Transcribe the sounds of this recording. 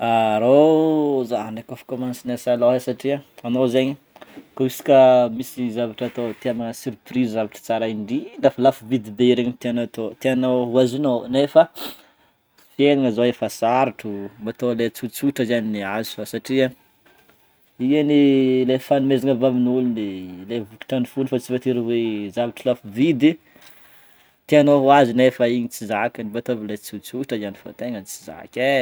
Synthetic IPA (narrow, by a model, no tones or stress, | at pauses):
aɾozaɦaɳekofi̥komãnsinasaloɦesaʈ͡ʂiaanozeɲi | koisi̥kʲəmisizavaʈ͡ʂat̪ot̪iamaŋəsyɾprizzavaʈ͡ʂə̥t͡saɾaiɳɖ͡ʐilafalafuvid̪id̪eiɾeɲit̪eanot̪ot̪eanouazinonefə | fieniŋəzoefəsaɾaʈ͡ʂumbat̪olet͡sut͡suʈ͡ʂəzaniniazu̥fasaʈ͡ʂia | ianilefanumezaŋəvavinulunilevuki̥ʈ͡ʂanifunifat͡sivat̪iɾəwezavaʈ͡ʂəlafuvid̪i | t̪eanoɦuazinefəiɲit͡sizakʲənibat̪ovilet͡sut͡suʈ͡ʂəizanifo̰t̪eŋənit͡siza̰kʲe